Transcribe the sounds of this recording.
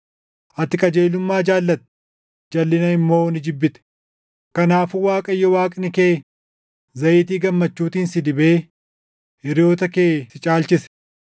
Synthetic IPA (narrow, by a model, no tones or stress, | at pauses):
ʔɐt̪ːɪkʼɐd͡ʒeːlʊmːaːd͡ʒaːlːɐt̪̚ɛ̥ | d͡ʒɐlːɪnɐɪmːo̞ːnɪd͡ʒɪbːɪt̪ɛ̥ | kɐnaːfʊwaːkʼɐjːɔwaːkʼɪnɪkeː | zɐʔɪːt̪iːɡɐmːɐt͡ʃːuːt̪iːnsɪd̪ɪbeː | ɪɾɪjo̞ːt̪ɐkeːsɪt͡ʃʼaːlt͡ʃɪs